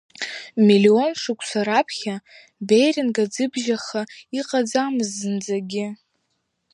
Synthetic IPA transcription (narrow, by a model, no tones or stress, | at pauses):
milio̞nʂɨkʷʰʼsaɾapʰχʲa | bejrɪnɡad͡zɨbʒaχaiqʼad͡zamɨzːɨnd͡zaɡʲɪ